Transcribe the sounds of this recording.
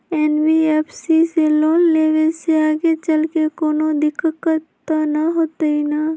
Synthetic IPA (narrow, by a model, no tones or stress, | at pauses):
ɛːnbiɛːpʰsiseloːnleːʋeseaːɡet͡ʃɐlkekoːnod̪ɪkʰkəɾt̪anaɦoːt̪ɐina